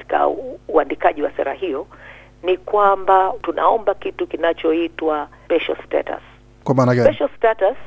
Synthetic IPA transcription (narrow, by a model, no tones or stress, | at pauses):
i̥ka̰uandikaʄiwasɛ̰ɾa̰hijɔ | nikwambatunʔa̰ɔmbakitukinat͡ʃɔitwa | pɛʃɔ̰sta̰ta̰s | kwamaːnapɛʃɔstatas